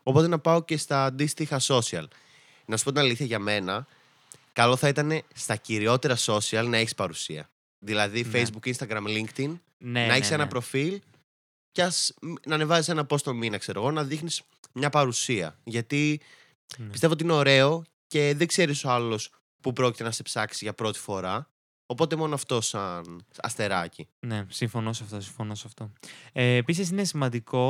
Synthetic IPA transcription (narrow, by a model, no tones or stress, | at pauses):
o̞po̞t̪̬e̞nɐpɐoce̞st̪ɐːd̪ist̪ixɐso̞siɐ̰l | nɐsu̥pot̪inɐliθçɐʝɐme̞nɐ | kɐloθɐit̪ɐne̞st̪ɐciɾio̞t̪e̞ɾɐso̞siɐlnɐe̞çispɐɾusiɐ̰ | ðilɐðifejzbukinst̪ɐɡɾɐmliŋkt̪in | nɐeçisenɐpɾo̞fil | cɐsnɐːne̞vɐzise̞nɐpo̞st̪o̞minɐkse̞ɾo̞ɣo̞nɐðixnis | mɲɐpɐɾusiɐ̰ʝɐt̪i | ist̪eot̪iine̞o̞ɾe̞o̞ | ce̞ðe̞ɡze̞ɾiso̞ɐlo̞s | pupɾo̞ci̥t̪enɐse̞psɐksizʝɐpɾo̞t̪i̥fo̞ɾɐ | o̞po̞t̪e̞mo̞noɐft̪o̞sɐnɐ̰st̪e̞ɾɐcinesiɱfo̞nosɐft̪osiɱfonosɐft̪o̞eːpisis̬inesimɐnd̪iko̞